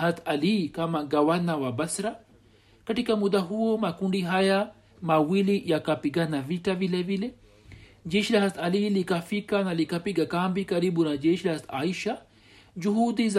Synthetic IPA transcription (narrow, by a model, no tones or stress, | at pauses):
ɦat̪ɐlikamaɡawanawabɐsɾa | kɐʈikamud̪aɦuomakuɳɖiɦaja | mawilijakapiɡanaviʈavilevile | d͡ʒeʃilaɦat̪alilikafikanalikapiɡakambikaɾibunad͡ʒeʃilahast̪a̰iʃa | d͡ʒuɦud̪iz